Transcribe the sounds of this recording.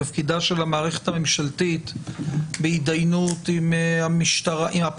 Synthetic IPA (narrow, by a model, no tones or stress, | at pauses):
afkid̪aʃe̞lamaːʁeχet̪ame̞mʃalt̪it̪ | beid̪ajnutimhamiʃt̪aʁaʔimap